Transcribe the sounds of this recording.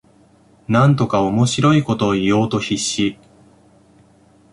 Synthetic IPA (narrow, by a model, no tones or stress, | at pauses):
nãnt̪o̞kao̞mo̞ɕiɾo̞iko̞t̪o̞ːijo̞ːt̪o̞çiɕːi